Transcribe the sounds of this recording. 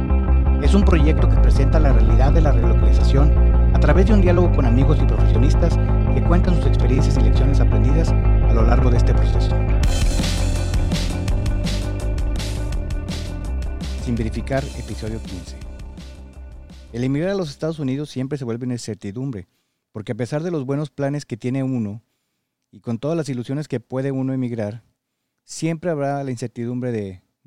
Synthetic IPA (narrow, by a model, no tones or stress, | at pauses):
e̞sumpɾo̞ʝe̞k̚t̪o̞ke̞pɾe̞se̞nt̪alarealiðaðːe̞larelo̞kalisasjo̞nat̪ɾaβe̞zðeund̪jalo̞ɣ̞o̞ko̞namiɣo̞sipɾo̞fe̞sjo̞nist̪as | ke̞kwe̞nt̪ansuse̞kspe̞ɾje̞nsjasile̞ksjo̞ne̞sapɾe̞nd̪iðasalo̞laɾɣoðee̞st̪epɾo̞se̞so | simbe̞ɾifikaɾe̞piso̞ð̞jo̞kinse | e̞lemiɣɾaɾalo̞s̬e̞st̪að̞o̞suniðo̞sːje̞mpɾes̬eβwe̞lβeunainse̞ɾt̪iðumbɾe̞ | po̞ɾke̞ap̬e̞saɾðe̞lo̞zβweno̞splane̞ske̞t̪je̞ne̞uno̞ | iko̞nt̪o̞ðazlas̬ilusjo̞ne̞ske̞pwe̞ðe̞uno̞emiɣɾaɾ | sje̞mpɾe̞aβɾalainse̞ɾt̪iðumbɾe̞ðe